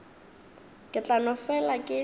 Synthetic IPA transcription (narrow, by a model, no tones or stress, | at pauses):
kʼɪt͡ɬʼanʊfɛlakʼɪ